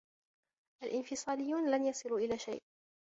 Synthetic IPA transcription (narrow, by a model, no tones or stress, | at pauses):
ʔalʔɪnfɪsˤɑːlɪjːuːnlanjɑsˤɨluːʔɪlaːʃa̰jʔ